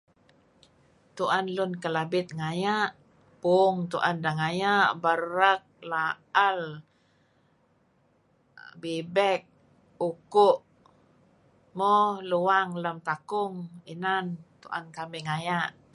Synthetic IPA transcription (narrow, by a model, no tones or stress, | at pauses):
t̪uʔanlunkəlabɪt̪̚ŋajaʔ | puŋt̪uʔandaŋajaʔbəɾak̚la | al | bibɛk̚ | ukuʔ | mɔhluwaŋləmt̪akʊŋinant̪uʔa̰nkamiŋajaʔ